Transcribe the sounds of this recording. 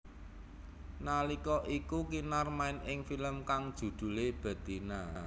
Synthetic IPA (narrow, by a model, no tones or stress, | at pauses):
nalikɔʔikukinarmaɪnɪŋfiləmkaŋd̥ʒ̥ṳd̪̥ṳleb̥a̤d̪̥i̤na